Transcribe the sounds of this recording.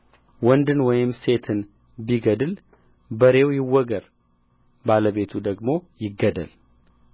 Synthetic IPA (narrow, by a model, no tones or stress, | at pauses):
wɔnd̪ɨnwɔjɪmse̞t̪ʰɨn | biɡəd̪ɨl | bəɾe̞wjɪwːɔɡəɾ | baləβe̞t̪ʰud̪əɡmo̞jɪɡːəd̪ə̰l